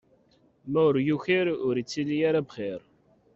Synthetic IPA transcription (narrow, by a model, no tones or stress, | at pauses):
mæʊɾjuçiɾʊɾit͡sːilːijaɾabχiɾ